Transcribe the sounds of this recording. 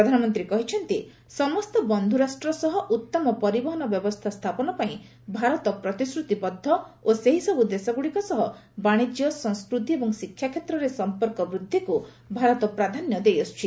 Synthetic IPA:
pɾɔd̪ʱanɔmɔnt̪ɾikɔɦit͡ʃʰɔnt̪i | sɔmɔst̪ɔbɔnd̪ʱuɾasʈɾɔsɔɦɔʔut̪ːɔmɔpɔɾibɔɦɔnɔbjɔbɔst̪ʰast̪ʰapɔnɔpaĩ | bʱaɾɔt̪ɔpɾɔt̪isɾut̪ibɔd̪ʱːɔoseɦisɔbud̪esaɡuɽikɔsɔɦɔbaɽ̃id͡ʒijɔsɔ̃ŋskɾud̪ʱiebɔŋsikʰːjakʰjet̪ɾɔɾesɔmpɔɾkɔbɾud̪ʱːiku | bʱaɾɔt̪ɔpɾad̪ʱanjɔd̪ejɔst͡ʃʰi

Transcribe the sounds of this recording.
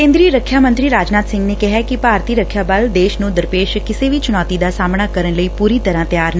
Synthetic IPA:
kẽːnd̪ɾiəɾəkʰːjaːmə̃nt̪ɾiːɾaːd͡ʒnaːt̪sɪ̃ŋɡneːkɪɦaːkipaːɾt̪iːɾəkʰːjaːbəld̪eːʃnũːd̪əɾpeːʃkɪseːʋiːt͡ʃʊñɔːt̪id̪aːsaːmɽaːkəɾənləiːpuːɾiːt̪əɾãːt̪jaːɾn

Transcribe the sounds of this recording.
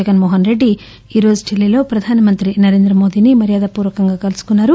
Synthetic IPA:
ɐɡɐnmoːɦɐnɾe̞ɖːi | iːɾo̞ːzuʈʰilːilo̞ːpɾɐd̪ʱaːnɐmɐnt̪ɾinɐɾeːnd̪ɾɐmo̞ːd̪iːnimɐɾijaːd̪ɐpuːɾʋɐkɐŋɡaːkɐlusu̥kunːaːɾu

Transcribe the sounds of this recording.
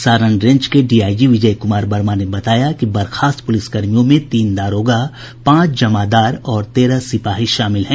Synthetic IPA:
saːɾə̃ɳɖɾẽɲd͡ʒkeɖiːaːjjiʋɪd͡ʒəjkʊmaːɾbɐɾmanebɐt̪aːjakibɐɾxʰaːst̪pʊlɪskɐɾmijõmẽt̪iːnd̪aːɾoːɡa | pãːt͡ʃd͡ʒɐmad̪aːɾɔːɾt̪eːɾasɪpaːɦiʃaːmɪlɦɛ̃ː

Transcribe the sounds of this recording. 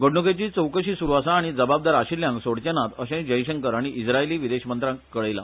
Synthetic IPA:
ɡəɽɳuket͡ɕiːt͡səwkəɕiːsuɾʋasãːɽ̃id͡zəbab̚d̪aɾaɕiljãŋɡsoɽt͡ɕanat̪əɕẽd͡ʑəjɕəŋkəɾaɽ̃iʔid͡zɾaeliːʋid̪eɕmənt̪ɾãŋkkːəɭəjla̰

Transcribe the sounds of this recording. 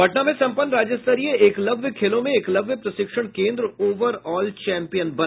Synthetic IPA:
bʱɐʈnamẽsɐ̃mpənːɾaːd͡ʒəst̪əɾieeːklɐbʱʋkʰeːlõmẽeːklɐbʱjpɾɐʃɪkʂəɽ̃kẽːnd̪ɾoːʋəɾɔːlt͡ʃɛ̃ːmpijənbɐ

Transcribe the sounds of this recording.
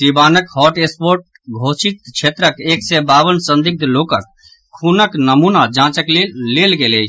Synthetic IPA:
sibanəkhɔʈespoɾʈ̚ | ɡʱosit̪t͡ʃʰet̪ɾəkeksebaːʋənsə̃nd̪ik̚d̪lokək̚ | kʰːunəknəmunad͡ʒãt͡ʃəklelːelɡele

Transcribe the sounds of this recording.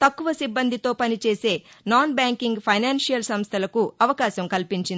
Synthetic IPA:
t̪ɐkːuʋɐsibːɐnd̪ʱit̪o̞ːpɐnit͡ʃe̞ːse̞ːnaːnbaːŋkiŋɡpʰɐjnaːnsijɐlsɐmst̪ʰɐlɐkuɐʋɐkaːɕɐmkɐlpiɲt͡ʃind̪i

